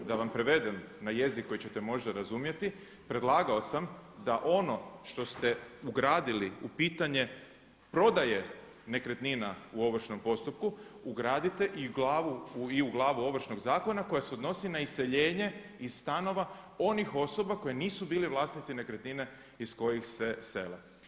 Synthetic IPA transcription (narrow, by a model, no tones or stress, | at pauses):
d̪aʋampɾe̞ʋe̞d̪e̞mnaje̞zikːo̞jit͡ɕe̞t̪e̞mo̞ʒd̪aɾazumje̞t̪i | pɾe̞d̪lˠaːɡao̞samd̪aʔo̞no̞ʃt̪o̞st̪e̞uɡɾaːd̪iliupiːt̪aɲe̞ | pɾo̞d̪aje̞ | ne̞kɾe̞t̪ninauo̞ʋr̩ʃno̞mpo̞st̪up̚kuuɡɾaːd̪it̪e̞ʔiɡlaːʋuiuɡlˠaːʋuo̞ʋr̩ʃno̞ɡzaːko̞nako̞jase̞od̪no̞sinaisːe̞ʎeːɲe̞ | iz̥st̪ano̞ʋao̞nixo̞so̞bako̞jeniːsubiːliʋlˠaːsnit̪sine̞kɾet̪nine̞ | isko̞jixse̞se̞̰lḛ